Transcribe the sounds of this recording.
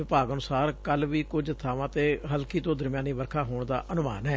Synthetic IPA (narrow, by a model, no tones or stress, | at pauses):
ɪpaːɡənʊsaːɾkəlʋiːkʊd͡ʒt̪ʰaːʋãːt̪eːɦəlkiːt̪õːd̪əɾmjãːniːʋəɾkʰaːɦoːɳd̪a̰ːʔənʊma̰ːnɦɛː